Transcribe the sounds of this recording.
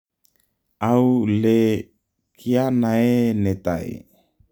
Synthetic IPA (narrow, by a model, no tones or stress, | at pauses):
aule | kʰianaenet̪a̰ḛ